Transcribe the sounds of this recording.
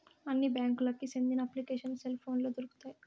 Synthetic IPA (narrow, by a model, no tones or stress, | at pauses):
ɐnːibjaːŋkulɐkːisend̪inɐɐplikeːʂɐnselpʰo̞ːnloːd̪uɾuku̥t̪aːji